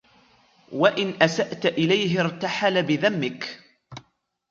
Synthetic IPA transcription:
waʔɪnʔasaʔt̪ʔɪlajɦɪɾt̪aħalabɪðamːɪk

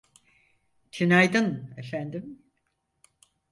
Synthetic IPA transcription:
t͡ʃʰinajd̪ɯnefænd̪im

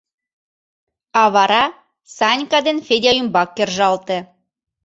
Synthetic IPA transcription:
ɑβɑɾɑ | sɑnʲkɑd̪enfedʲɑjymbɑkːerʒɑlt̪ĕ

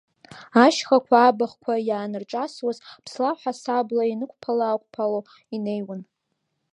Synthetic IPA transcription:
aʃχakʷʰaːbaχkʷʰajaːnɨrʈ͡ʂʼaswazpʰslaħʷasablainɨkʷʰʼpʰalaːkʷʼpʰalo | inejwan

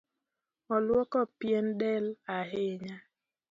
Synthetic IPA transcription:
ɔlwɔkɔpjendɛlaɦeɲa

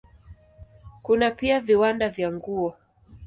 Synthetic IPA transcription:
kunapiaviwandavjaŋɡuɔ

